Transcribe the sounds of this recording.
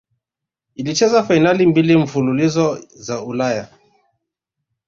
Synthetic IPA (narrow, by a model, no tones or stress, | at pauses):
ilit͡ʃɛzafainalimbiliɱ̩fululizɔzaulaja